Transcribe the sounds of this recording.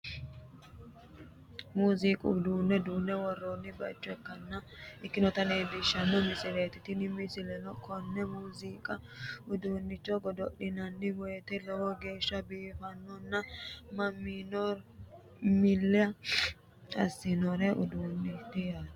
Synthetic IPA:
muːziːkʼʊ̰d̪uːnːɛd̪uːnːɛwɔrːonːɪbɐt͡ʃʼːɔɛkːɐnːɐɪkːɪnɔt̪ɐneːd̪ɪʃːɐmːɔmɪsɪleːt̪ɪt̪ɪnɪmɪsɪlɛnɔkɔnːɛmuːziːkʼɐ | ʊd̪uːnːɪt͡ʃːɔɡɔd̪ɔɗɪnɐnːɪwɔjɛt̪ɛlɔwɔɡe̞ːʃːɐbiːfɐnːɔnːɐmɐmːiːnɔ | mɪlːɪɐ | ɐsːɪnɔɾɛʔʊd̪uːnːɪt̪ːɪja

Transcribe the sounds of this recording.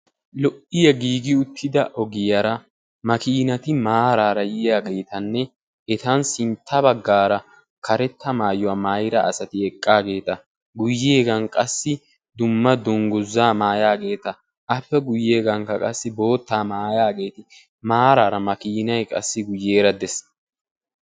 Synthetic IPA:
lɔʔɪjɐɡiːɡɪʊt̪ʰːɪd̪ɐʔɔɡɪjɐɾɐ | mɐkiːnɐt̪ɪmaːɾaːɾɐjɪjaːɡe̞ːt̪ɐnːɛ | ɛt̪ɐnsɪnt̪ʰːɐbɐɡːaːɾɐ | kʰɐɾɛt̪ːɐmaːjɔwaːmaːjɪɾɐːsɐt̪ɪɛkʼːaːɡe̞ːt̪ɐ | ɡʊjːe̞ːɡɐnkʼɐsːɪ | d̪ʊmːɐd̪ɔŋɡʊzːaːmaːjaːɡe̞ːt̪ɐ | ʔɐpːɛɡʊjːeːɡɐŋkɐkʼɐsːɪbo̞ːt̪ːaːmaːjaːɡe̞ːt̪ɪ | maːɾaːɾɐmɐkiːnɐjkʼɐ̰sːɪɡʊjːeːɾɐd̪ɛs

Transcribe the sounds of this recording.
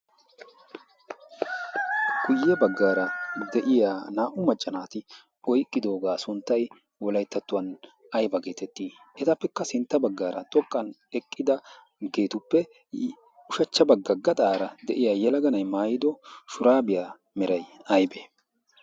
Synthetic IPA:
ɡ̥ʊjːɛbɐɡːaːɾɐd̪ɛʔɪjaːnaːʔʊmɐt͡ʃʼːɐnaːt̪ɪ | ɔjkʼːɪd̪o̞ːɡaːsʊnt̪ːɐj | wɔlɐjt̪ːɐt̪ːʊwɐn | ɐjbɐɡe̞ːt̪ɛt̪ːiː | ʔɛt̪ɐpːɛkːɐsɪnt̪ːɐbɐɡːaːɾɐt̪ʼɔkʼːɐn | ɛkʼːɪd̪ɐ | ɡe̞ːt̪ʊpːɛ | ʊʃɐt͡ʃːɐbɐɡːɐɡɐt̪ʼaːɾɐd̪ɛʔɪjaːjɛlɐɡɐnɐjmaːjɪd̪ɔʃʊɾaːbɪjaː | mɛɾɐjɐjbeː

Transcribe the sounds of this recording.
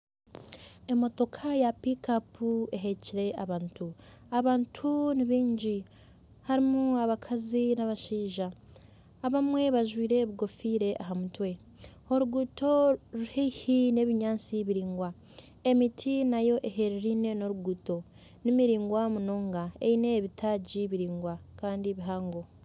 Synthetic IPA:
e̞mo̞to̞kʰajapikapue̞ɦeciɾe̞ʔaβaːntuaβaːntʰuniβiːɲɟi | haɾimuaβakʰazinaβaʃiːʒaː | βamwe̞βaʒwiːɾe̞ːβiɡo̞fiːɾe̞ʔaɦamutwe̞ | o̞ɾuɡuto̞ɾuheihine̞ːβiɲaːnt͡siβiɾiːŋɡwa | emitʰinajo̞ʔeɦe̞ɾeɾiːne̞no̞ɾuɡuto̞ | nimiɾiːŋɡwamunoːŋɡaḛine̞ːβitʰaɟiβiɾiːŋɡwakaːndieβiɦaːŋɡo̞

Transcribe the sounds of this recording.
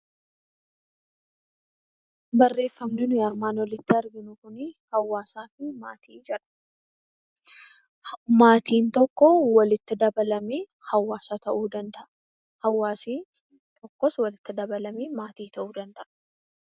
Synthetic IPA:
bɐrːe̞ːfːɐmnɪnʊjɐɾmaːnwɔlɪt̪ːɪɐɾɡɪnʊkʊnɪhɐwːaːsaːfɪma̰ːt̪ʰiːd͡ʒɛᶑɐ̥ | maːt̪iːnt̪ɔkːɔwɐlɪt̪ːɪd̪ɐbɐlɐmeː | hɐwːaːsat̪ɐʔuːd̪ɐnd̪ɐʔɐ | hɐwːaːsiː | t̪ʰʼɔkːɔswɐlɪt̪ːɪd̪ɐbɐlɐmeːmaːt̪iːt̪ʰɐʔuːd̪ɐnd̪ɐʔɐ̥

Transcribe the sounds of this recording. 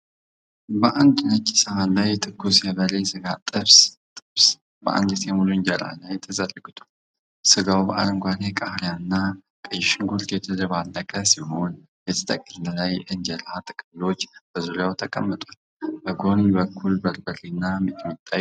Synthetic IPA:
bəʔand̪nət͡ʃʼːi̥səmanlajt̪ʰɨkːusjɛβəlesɨɡat̪ʼɨβs | t̪ʼɨβs | bə̰ʔa̰nd̪ɨt̪jɛmuluɨnd͡ʒəla̰lajt̪ʰːəzərəɡɨt̪ʰu̥ | sɨɡawbəʔa̰lɨŋɡʷanekʼahljanɨnːa | kʼɨjɪʃɪŋɡulk̪ʰet̪ʰələβalːəkʼəsihon | jɛt̪ʰə̥t̪ʼəkʼənləlajʔɨɲd͡ʒəlat̪ʼɨkʼɨmlo̞t͡ʃːb̥əzuljawt̪ʰəkʼəmːət̪ʼwal | bəɡonbəkʰːulbəɾbəɾinːamit̪ʼwt̪ʼːa

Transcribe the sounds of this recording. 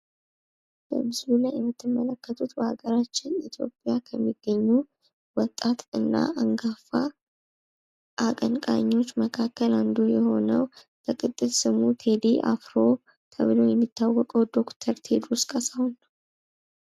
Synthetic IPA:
b̥ə̰mɨslulajɛmːɨt̪ːɨmːələkːət̪ʰut̪bəhaɡəɾat͡ʃːɪnit̪ʰjo̞̰pʼjakʰəmːiɡ̥ːəɲːu | wɔt̪ʼːat̪ɨnːa̰aŋɡafa | ʔakʼəŋkʼaɲːo̞t͡ʃːməkʰakːəland̪ujɛho̞nəw | bəkʼɨt̪ʼːɨt̪sɨmut̪ʰe̞d̪iʔa̰fɾo̞ | t̪ʰə̰βlo̞jɛmːit̪ʰːawːɔkʼəwd̪o̞kt̪ʰəɾt̪ʰed̪ɾuskʼəsahunːəw

